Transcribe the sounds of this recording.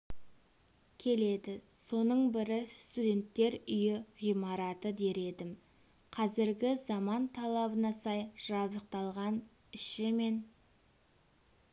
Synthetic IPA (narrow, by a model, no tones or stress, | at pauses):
kʲʰe̞le̞d̪ɪso̞nəɴbɪɾɪst̪ud̪ʲe̞nt̪ːe̞ɾʏjɪʁijmɑɾɑt̪əd̪e̞ɾe̞d̪ɪm | qʰɑzɪɾɡʲɪzɑmɑnt̪ʰɑlˠɑbənɑsɑjʒ̥ɑbəq̚t̪ɑlˠʁɑn | ɪʃɪme̞n